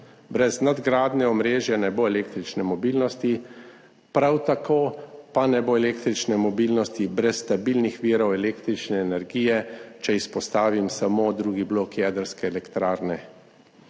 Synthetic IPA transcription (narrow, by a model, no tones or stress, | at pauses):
bɾɛznad̪ɡɾaːd̪nɛɔmɾeːʒjɛnɛboːɛleːkt̪ɾit͡ʃnɛmɔbiːlnɔst̪i | pɾawt̪akoːpanɛboːɛleːkt̪ɾit͡ʃnɛmɔbilnɔst̪ibɾɛsːt̪abilnixʋiɾɔwɛleːkt̪ɾit͡ʃnɛːnɛɾɡiːjɛt͡ʃɛispɔst̪aːʋimsamod̪ɾuːɡibloːkjɛd̪əɾskɛːlɛkt̪ɾaːɾnɛ